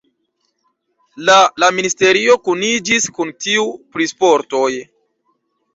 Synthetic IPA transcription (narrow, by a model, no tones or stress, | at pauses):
lalaministe̞ɾio̞kunid͡ʒiskuntiupɾispo̞ɾto̞j